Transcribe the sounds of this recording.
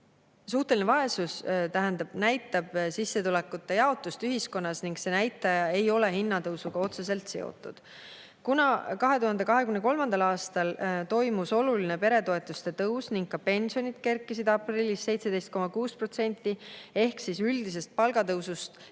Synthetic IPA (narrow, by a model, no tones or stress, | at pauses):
suht̪e̞linevɑe̞sust̪æɦænd̪ɑb̥næjt̪ːˑɑb̥sisːe̞t̪ulekːˑut̪ˑːe̞jɑo̞t̪ːˑust̪yɦisko̞nːɑsniŋɡse̞næjt̪ːˑɑjɑe̞jo̞le̞ɦinːɑt̪ɤwsuɡ̥ɑo̞t̪se̞se̞lt̪se̞o̰t̪ːˑud̪̥ | kunɑkɑɦe̞t̪uhɑnd̪e̞kɑɦe̞kymnko̞lmɑnd̪ɑlɑːst̪ɑlt̪o̞jmuso̞luline̞pe̞ɾe̞t̪o̞e̞t̪ːˑust̪e̞t̪ɤwsniŋɡ̥̚kːɑpe̞nʲsio̞nid̪̥ke̞rkːˑisid̪̥ɑprilːisːe̞jt̪se̞d̪e̞jst̪̚ko̞mɑkuːspro̞t̪se̞nʲt̪ːˑie̞hksisyld̪̥is̬e̞st̪̚pɑlɡ̥ɑt̪ɤwsust̪